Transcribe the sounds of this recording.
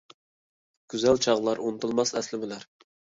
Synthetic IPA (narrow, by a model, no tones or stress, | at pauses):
ɡ̥ʲyzælt͡ʃʰɑʁlˠɑɾunɨt̪ʰɨlˠmɑsɛslɪmɪlæɾ